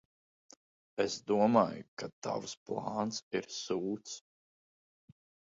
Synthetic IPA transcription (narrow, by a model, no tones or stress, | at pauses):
esd̪uɔmaːjukat̪a̰vsplˠɑːnt̪siɾsuːt̪s